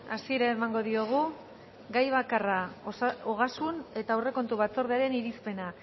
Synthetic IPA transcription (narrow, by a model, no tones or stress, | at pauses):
asie̞ɾaemaŋɡo̞ðio̞ɣ̞u | ɡajβ̞akaraooɣ̞asune̞t̪aure̞ko̞nt̪uβ̞at͡so̞ɾð̞eaɾe̞niɾispe̞na